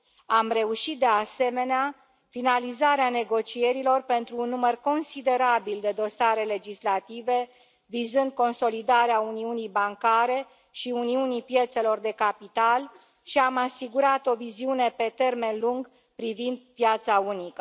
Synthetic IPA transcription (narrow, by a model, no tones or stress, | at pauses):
amre̞uʃit̪̚d̪e̞ase̞me̞nea | finalizaɾeane̞ɡo̞t͡ʃie̞ɾilo̞rpe̞nt̪ɾuːnːumərko̞nsid̪e̞ɾabild̪e̞d̪o̞saɾe̞le̞d͡ʒislat̪ive̞ | vizɨnd̪̚ko̞nso̞lid̪aɾeauniunijbaŋkaɾe̞ | ʃiuniunipje̞t̪se̞lo̞rd̪e̞kapit̪al | ʃiamasiɡuɾat̪o̞viziune̞pe̞t̪e̞rme̞nluŋɡ | pɾivind̪̚pjat̪saunikə